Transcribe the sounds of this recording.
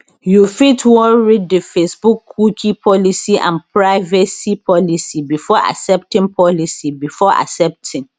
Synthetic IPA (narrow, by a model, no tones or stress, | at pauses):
jufitʰwɔ̃ɹiddɪfesbukʰːukʰipʰɔlisiʔã̰npʰɹaɪvɛsipʰɔlisibifɔʔa̰sɛp̚tɪ̃ŋpʰɔlisibifɔʔa̰sɛp̚tʰɪ̃ŋ